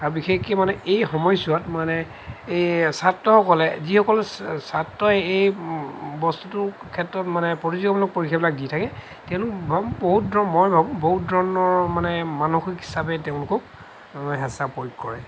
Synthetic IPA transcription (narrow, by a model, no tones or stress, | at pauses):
aɹbixekimanɛejxɔmɔjsuatmanɛ | ejsatːɔɦɔkɔlɛzixɔkɔlsatːɔɛej | bɔstutʊ | kʰɛtɹɔtmanɛpɔɹizɔɡɔblɔk̚poɹikʰijabilak̚ditʰakɛ | tɛʊ̃lʊkbʱboɦut̚dɔmɔjbʱabũboɦut̚dʱɔɹnɔɹmanɛmanuxikɦi̥sabɛteʊ̃lʊkɔk̚ | ɦɛsapojikkɔɹɛ